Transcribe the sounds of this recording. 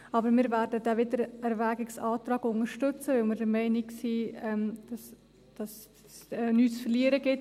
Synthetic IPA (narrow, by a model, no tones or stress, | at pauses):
ɑbəɾmɪːɾvæːɾdəd̥ɛvɪdəɾɛɾvæːɡɪksɑːtɾɑːɡʊŋəɾʃtʏt͡səʋɪlmɪɾdəɾmɛɪnɪɡsiːɛmd̥ɑs | d̥ɑs | ɛnyːt͡sfəɾliəɾəɡɪt